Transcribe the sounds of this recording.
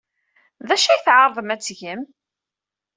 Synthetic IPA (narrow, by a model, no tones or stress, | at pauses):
ðæʃæjθʕɑɾˤðˤəmæt͡sːʝəm